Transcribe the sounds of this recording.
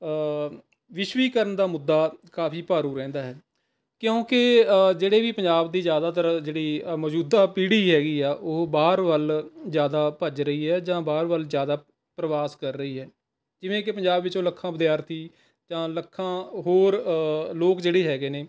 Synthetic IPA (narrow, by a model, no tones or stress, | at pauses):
ʋɪʃʋiːkəɾənd̪aːmʊd̪ːaːkaːpʰiːpaːɾũːɾɛ̃ːnd̪aːɦɛː | kjõːked͡ʒeːɽeːʋiːpəɲd͡ʒaːbd̪iːzjaːd̪aːt̪̬əɾd͡ʒeːɽiːmɔːd͡ʒuːd̪aːpiːɽiːɦɛːɡiːaːʔoːbaːɾʋəlzjaːd̪aːpəd͡ʒɾəiːɦɛːd͡ʒãːbaːɾʋəlzjaːd̪aː | pɾəʋaːskəɾːəiːɦɛː | d͡ʒɪʋẽːkepəɲd͡ʒaːbʋɪt͡ʃoːləkʰːãːbəd̪jaːɾt̪ʰiː | d͡ʒãːləkʰːãːɦoːɾloːkd͡ʒeːɽeːɦɛːɡeːneː